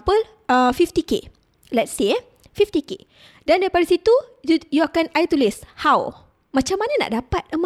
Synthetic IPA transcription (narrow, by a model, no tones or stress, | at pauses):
pəl | əfift̪ikḛ | lɛt̚se | fift̪ikḛ | dandaɾipadasit̪uujuakanajt̪ulɪshaw | mãt͡ʃamːanãna̰ʔdapat̪əma